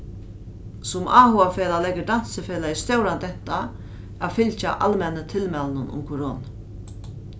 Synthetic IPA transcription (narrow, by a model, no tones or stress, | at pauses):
sʊmʔaːhʊafeːlalɛkːəd̪an̥səfeːlaɪst̪jowɾant̪ɛht̪a | afɪlt͡ʃa̰ʔa̰lmɛnːət̪ʰɪlmɛlnʊnʊ̰mkʰɔɾoːna